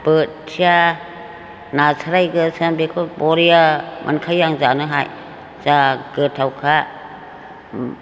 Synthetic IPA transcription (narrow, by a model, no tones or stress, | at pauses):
b̥ɯtsʰia | nasʰaɾajɡɯsɯnbekʰɔbɔɾijamʔa̰nkʰajːaŋzanɯɦa̰j | z̥aɡɯtʰawkʰa